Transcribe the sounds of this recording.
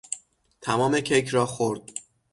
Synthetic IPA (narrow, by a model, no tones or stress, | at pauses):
t̪ʰæmɒːme̞cʰejkʰɾɒːxoɾd̪̥̚